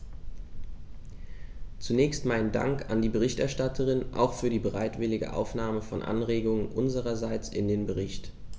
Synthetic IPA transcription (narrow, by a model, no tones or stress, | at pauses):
t͡sunɛːçstmaɪnənda̰ŋka̰ndiːbəʁɪçtʔɛɐʃtatʰəʁ̞ɪnʔa̰ʊxfyːɐdiːbəʁaɪtv̥ɪlɪɡə̰ʔa̰ʊfnaːməfɔnʔa̰nʁeːɡʊŋənʔʊnzəʁ̞ɐzaɪt͡sʔɪ̰ndeːnbəʁɪçt